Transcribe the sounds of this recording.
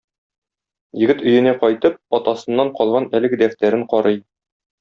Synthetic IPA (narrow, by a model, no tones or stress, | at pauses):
jɘ̆ɡɘt̪ɵ̆jɘ̆næqɒjt̪ɤp̚ɒt̪ɑsɤ̆nːɑɴqɒlˠʁɑnælɘ̆ɡɘd̪æft̪æɾɘɴqɒɾɤj